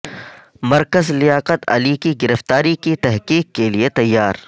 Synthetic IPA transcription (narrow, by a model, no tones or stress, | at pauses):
mɐɾkəzlɪjaːqət̪ɐ̰likiɡɪɾəft̪aːɾikit̪ɛɦqiːkːeliet̪ɐjːaːɾ